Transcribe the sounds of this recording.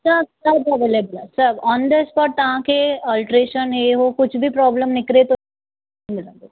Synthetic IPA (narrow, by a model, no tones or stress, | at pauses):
sɐsɐdɐʋeːlebəlɛsɐbɔ̃ːnd̪əspɔːʈ̚t̪ɐɦãkeɔːlʈɾeːʃəneɦokʊt͡ʃʰbʱipɾɔːbləmnɪkɾet̪õ | mɪlãːd̪o